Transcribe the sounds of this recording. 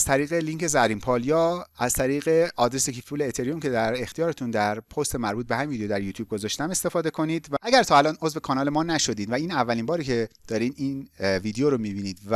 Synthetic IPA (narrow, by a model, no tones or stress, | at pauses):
z̥t̪ʰæɾiːɣeliŋcʰe̞zæɾiːmpʰɒːljɒːæz̥t̪ʰæɾiːɣe̞ɒːd̪ɾesekʰiffuːleːt̪ʰeɾiomcʲʰe̞d̪æɾext̪ʰijɒːɾet̪ʰund̪æɾpʰost̪emæɾbuːt̪̚behæmivid̪ejod̪æɾjuːt̪ʰjuːb̚ɡo̞zɒːʃt̪æme̞st̪e̞fɒːd̪e̞kʰo̞niːd̪vææɡæɾt̪ʰɒːælɒːno̞zve̞kʰɒːnɒːle̞mɒːnæʃo̞d̪iːd̪væiːnævːælimbɒːɾicʰe̞d̪̥ɒːɾiːd̪iːnviːd̪eoɾomibiːniːd̪væ